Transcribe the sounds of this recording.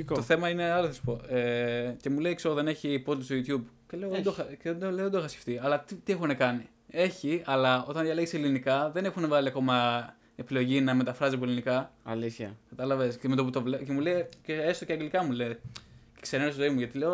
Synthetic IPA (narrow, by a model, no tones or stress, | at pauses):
t̪oθe̞mɐine̞ɐloθɐsi̥po̞ece̞mulejkseoðe̞ne̞çipozt̪ist̪ojut̪çubceleoðeoxɐceðed̪oleoðd̪oxɐsce̥ft̪iɐlɐt̪t̪ie̞xunekɐni | e̞çiɐlɐo̞t̪ɐnðʝɐleɣeselinikɐðe̞ne̞xunevɣɐliɐko̞mɐ | e̞pilo̞ʝinɐme̞t̪ɐfɾɐzip̬oelinikɐɐlisçɐkɐt̪ɐlɐvesemet̪o̞put̪ovlecemulejceest̪oceɐɡlikɐmule | e̥kseɾenest̪zoimuʝɐt̪ile̞o